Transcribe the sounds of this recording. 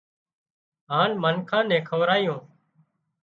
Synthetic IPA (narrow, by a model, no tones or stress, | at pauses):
ɦaːnmənkʰãːnɛ̃ːkʰəʋɾaːɪjõː